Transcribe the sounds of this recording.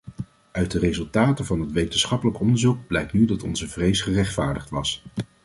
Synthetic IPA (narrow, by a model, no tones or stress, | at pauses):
œɥt̚dərezɵlˠtaːtəvɑnɦətʋejtənsχɑpələkɔndəɹzuɡ̚b̥lɛjk̚tnydɑtɔ̰nzəvrejsχərɛχtfaːɹdəχtʋɑs